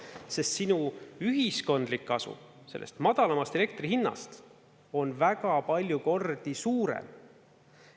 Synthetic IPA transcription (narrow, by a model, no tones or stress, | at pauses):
se̞st̪sinuyɦisko̞nd̪likːɑsṵ | se̞lːʔest̪mɑd̪̥ɑlɑmɑst̪e̞le̞k̚t̪riɦinːɑ̰st̪ | o̞nvæɡɑpɑlʲjuko̞rd̪̥isuːɾḛm